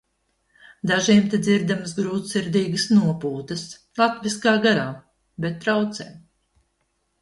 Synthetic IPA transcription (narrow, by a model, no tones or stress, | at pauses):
d̪aʒiɛmt̪ed̪ziɾd̪amsɡɾuːt̪siɾd̪iːɡəsnuɔpuːt̪əs | lˠat̪viskaːɡaɾaː | bet̪̚ːɾawt̪sɛːm